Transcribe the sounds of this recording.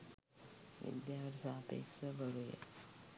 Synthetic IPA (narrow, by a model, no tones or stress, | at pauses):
ʋḭd̪jaɾsapḛkʂəbʱəɾujḛ